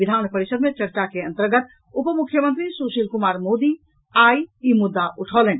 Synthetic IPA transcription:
ʋid̪ʱaːnpəɾisəd̪met͡ʃəɾt͡ʃakeənt̪əɾɡət̪ | upəmukʰːjəmənt̪ɾisusilkumaːɾmod̪i | ajimud̪ːaʔuʈʰɔlen

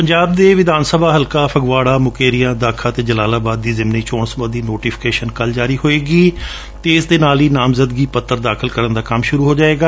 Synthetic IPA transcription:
pəɲd͡ʒaːb̚d̪eːʋɪd̪aːnsəbʱaːɦəlkaːpʰəɡʋaːɽaːmʊkeːɾijãːd̪aːkʰãːt̪eːd͡ʒəlaːlaːbaːd̪̚ːiːzɪmniːt͡ʃõːnsməd̪iːnoːʈiːpʰɪ̥keːʃənkəld͡ʒaːɾiːɦoːeːɡiː | t̪eːɪsd̪eːnaːliːnaːmzəd̪ɡiːpət̪ːəɾd̪aːkʰəlkəɾənd̪aːkəmʃʊɾuːɦoːd͡ʒaːeːɡaː

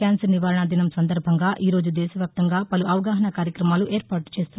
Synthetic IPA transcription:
aːnsɐɾniʋaːɾɐɳɐd̪inɐmsɐnd̪ɐɾbʱɐŋɡaːʔiːɾo̞ːd͡ʒud̪ɛːʃɐʋjaːp̚t̪ɐŋɡaːpɐluʔɐʋɐɡaːɦɐɳɐkaːɾjɐkɾɐmaːluʔeːɾpaːʈu̥t͡ʃe̞ːst̪un

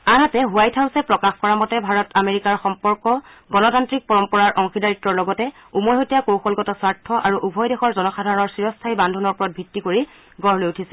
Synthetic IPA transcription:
aɦatɛɦʊwajtʰawsɛpɹɔkaxkɔɹamɔtɛbʱaɹɔtameɹikaɹxɔmpɔɹkɔ | ɡɔnɔtantɹik̚pɔɹɔmpɔɹaɹʔɔŋxidaɹitɹɔɹlɔɡɔtɛ | umɔjɦotijakowxɔlɡɔtɔsaɹtʰːɔʔaɹuʔubʱɔjdexɔɹzɔnɔxadʱaɹɔnɔɹsiɹɔstʰaibandʱunɔɹpuɹɔt̚bʱɹitːikoɹi | ɡɔɹlojutʰisɛ

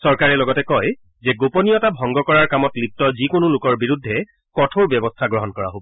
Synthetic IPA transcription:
sɔɹkaɹɛlɔɡɔtɛkɔj | zɛɡoponijɔtabʱɔŋɡɔkɔɹaɹkamɔtlip̚tɔzikonʊlʊkɔɹbiɹudʱːɛ | kɔtʰoɹbjɔbɔstʰaɡɹɔɦɔnkɔɹa̰ɦobɔ

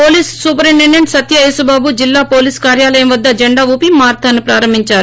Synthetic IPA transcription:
poːliːssuːpɾiɳːenːɐɳɖsɐt̪jɐeːsubaːbud͡ʒilːaːpoːliːskaːɾjaːlɐjɐmʋɐd̪ːɐd͡ʒeɳɖaːʋuːpimaːɾt̪ʰanːipɾaːɾɐmbʱiɲt͡ʃaːɾu

